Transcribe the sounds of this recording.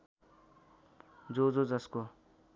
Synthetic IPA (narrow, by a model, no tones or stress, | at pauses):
d͡zod͡zod͡zʌsko